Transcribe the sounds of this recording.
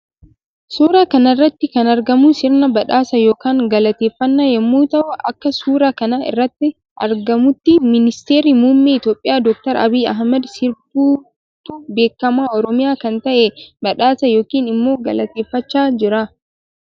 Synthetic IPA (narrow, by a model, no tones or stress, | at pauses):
suːɾaːkɐnɐɪrːɐt̪ːɪkɐnɐɾɡɐmusɪɾnɐbɐᶑaːsɐjo̞ːkaːŋɡɐlɐt̪eːfːɐnːajɛmːuːt̪ɐʔʊʔɐkːɐsuːɾakɐnaɪ̰rːɐt̪ːɪ | ʔɐ̰ɾɡɐmʊt̪ːɪmɪnɪst̪e̞ːɾimuːmːiɪt̪jo̞ːpʼːɪjaːd̪ɔk̚t̪ɐɾɐ̰biːɐ̰ɦmɐd̪sɪɾbuː | t̪ube̞ːkːɐmaːɔɾɔmɪjaːkɐnt̪ɐʔɛbɐᶑaːsɐjo̞ːkiːnɪmːo̞ːɡɐlɐt̪eːfːɐt͡ʃːaːd͡ʒɪɾa